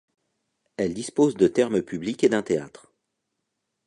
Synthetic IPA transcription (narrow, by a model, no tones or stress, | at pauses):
ɛld̪ispozd̪ət̪ɛʁməpybliked̪ɛ̃t̪eat̪χ